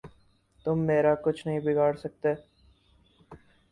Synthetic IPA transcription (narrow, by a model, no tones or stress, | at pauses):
t̪ʊmːeːɾakʊt͡ʃʰnɐɦĩbɪɡʱaːɽsɐk̚t̪eː